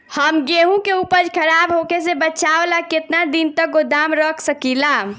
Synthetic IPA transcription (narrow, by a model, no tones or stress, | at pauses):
həmɡeɦũkeupəd͡ʒkʰəɾabɦokesebət͡ʃablaket̪nad̪int̪ək̚ɡod̪amɾəkʰsəkila